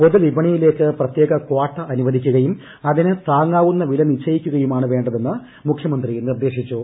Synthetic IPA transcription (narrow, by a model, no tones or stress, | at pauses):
poðulibɐɳijile̞ːkːɨprɐt̪je̞ːɡɐkoːʈːɐʔɐnuʋɐd̪ʱikʲːuɣɐjum | ɐðinɨt̪aːŋːaːʋunːɐʋilɐnit͡ɕʰːɐjikʲːuɣɐjumaːɳɨʋe̞ːɳɖɐðe̞nːɨ | mukʰjɐmɐnd̪rinird̪e̞ːɕit͡ɕːu